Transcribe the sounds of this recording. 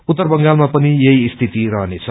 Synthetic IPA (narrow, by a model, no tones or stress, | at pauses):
ut̪ːʌrbʌŋɡalmapʌnijʌiːst̪ʰit̪iɾʌɦnet͡sʰʌ